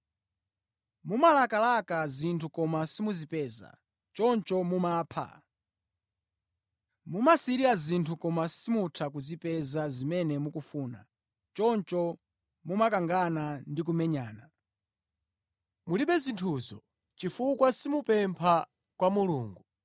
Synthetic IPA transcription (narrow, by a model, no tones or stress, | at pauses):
mumalakalakazintʰukɔmasimuzipɛːza̰ | t͡ʃɔnt͡ʃɔmumaːpʰa̰ | mumasiɾiazintʰukɔmasimutʰakuzipɛzazimɛnɛmukufuːna̰ | t͡ʃɔnt͡ʃɔ | mumakaŋɡanandik̬umɛɲaːna | muliɓɛzintʰuːzɔ | t͡ʃifukwasimupɛmpʰa | kwamuluːŋɡu